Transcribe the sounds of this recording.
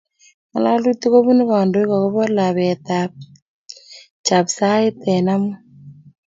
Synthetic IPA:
ma˨la˦lu˦t̪i˦ko˦βu˦ni˦kɔ˨ndo˦i˦kɔ˨ko˦βɔ˦la˨βɛ˨t̪ap̚ | t͡ʃa˨psa˦ɪ˦t̪ɛ˨na˦mu˦

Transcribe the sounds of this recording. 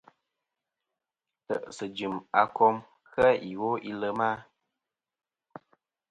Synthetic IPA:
tə˨ʔsə˨d͡ʒɨ˨ma˨kɔ˦m | xə˦i˨wo˦i˦lə˦ma˦

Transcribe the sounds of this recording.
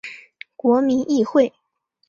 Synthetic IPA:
kwɔ˧˥mi˧˥nʔi˥˧xwe˥˩ɪ

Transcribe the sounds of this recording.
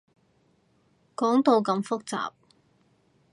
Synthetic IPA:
kɔː˨˥ŋt̪o˨˧wkɐ˧mfʊ˥k̚t͡sa̰ː˨p̚

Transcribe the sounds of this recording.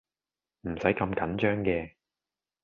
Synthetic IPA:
m̩˨˩sɐ˨˥jkɐ˧mkɐ˨˥nt͡ʃœː˥ŋkɛː˧

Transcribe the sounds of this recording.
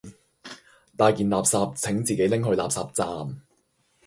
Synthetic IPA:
t̪aː˨˧jkiː˨nlaː˨p̚saː˧p̚t͡sʰɪ˨˥ŋt͡siː˨ke˨˥jlɪ˥ŋɦɵ˧ɥlaː˨p̚saː˨p̚t͡saː˨˧m

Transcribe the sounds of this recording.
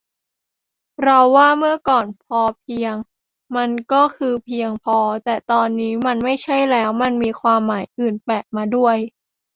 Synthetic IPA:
ɾa˧wːaː˥˩mɯ˥˩ɐkɔː˨˩npʰɔː˧pʰi˧əŋ | ma˧nkɔː˥˩kʰɯː˧pʰi˧əŋpʰɔː˧t̪ɛː˨˩t̪ɔː˧nːiː˦˥ma˧nma˥˩jt͡ɕʰa˥˩jlɛː˦˥wma˧nmiː˧kʰwaː˧mːaː˩˦jʔɯː˨˩npɛː˨˩p̚maː˧du˥˩əj

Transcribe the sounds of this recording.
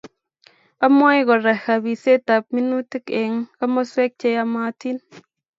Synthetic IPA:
a˦mɔ˦jɡɔ˨ɾa˨ha˨bi˨se˦ta˨p̚mi˦nu˦ti˦ke˨ŋka˦mɔ˦swɛ˦k̚t͡ʃe˦˧ja˧ma˧ti˦n

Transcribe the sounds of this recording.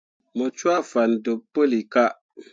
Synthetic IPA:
mɔ˨t͡ʃwa˦fa˨n˨dʊ˨po˦li˨ka˦

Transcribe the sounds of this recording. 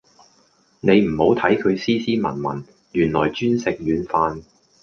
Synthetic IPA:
ne˨˧jm̩˨˩ho˨˥wt̪ʰɐ˨˥jkʰɵ˨˧ɥsiː˥siː˥mɐ̰˨˩nmɐ̰˨˩n | jyː˨˩nlɔː˨˩jt͡ʃyː˥nsɪ˨k̚jyː˨˧nfaː˧n

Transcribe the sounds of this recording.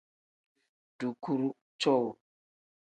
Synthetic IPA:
ɖ̥u˨ku˦ɾu˦ | t͡ʃɔ˦wu˨

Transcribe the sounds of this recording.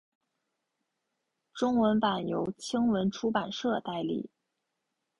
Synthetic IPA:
ʈ͡ʂʊ˥ŋwə˧˥npa˨˩njo˧˥ʊt͡ɕʰi˥ŋwə˧˥nʈ͡ʂʰu˥pa˨˩nʂɤ˥˧t̪a˥˧ɪlḭ˥˩

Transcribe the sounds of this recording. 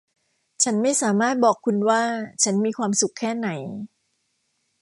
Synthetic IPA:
t͡ɕʰa˦˥nma˥˩jsaː˩˦maː˥˩t̪̚bɔː˨˩kʰːu˧nwaː˥˩t͡ɕʰa˦˥nmiː˧kʰwaː˧msu˨˩kʰːɛː˥˩na˩˦j

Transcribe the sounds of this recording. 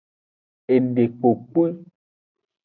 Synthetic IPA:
e˨nde˨k͡po˨k͡pe˦

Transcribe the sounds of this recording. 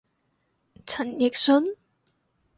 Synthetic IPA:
t͡sʰɐ˨˩njɪ˨k̚sɵ˥n

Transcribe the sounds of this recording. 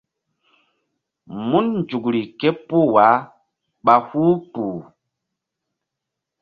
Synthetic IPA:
mu˦nnd͡ʒu˨kɾi˨ke˦pu˦wa˨˦ | ɓa˨hu˦puː˨

